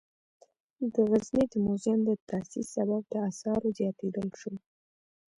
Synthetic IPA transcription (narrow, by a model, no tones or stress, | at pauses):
d̪əɣaznid̪əmozɪmd̪ət̪asisːabab̚d̪əasɑɾozjɑt̪ed̪əlʃo